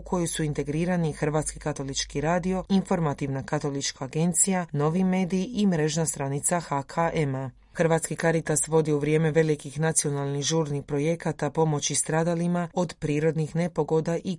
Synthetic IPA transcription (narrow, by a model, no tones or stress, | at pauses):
kʰo̞jusuint̪e̞ɡɾiːɾanixr̩ʋaːt̪skikat̪o̞lˠit͡ʃkiɾaːd̪io̞info̞ɾmat̪iʋnakat̪o̞lit͡ʃkaːɡe̞nt̪sijano̞ʋime̞ːd̪iiʔimɾe̞ʒnast̪ɾanit̪saxakʰaʔema | xrʋat̪skikaɾit̪asʋo̞d̪iuʋɾje̞ːme̞ʋe̞likixnat̪sio̞nalˠnixʒuːɾnixpɾo̞je̞kat̪apo̞mo̞t͡ɕist̪ɾaːd̪alimao̞d̪pɾiːɾo̞d̪nixne̞po̞ɡo̞d̪aʔi